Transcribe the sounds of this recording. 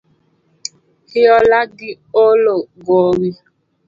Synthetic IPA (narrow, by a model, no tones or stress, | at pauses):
hɪɔlaɡɪ | oloɡoɣi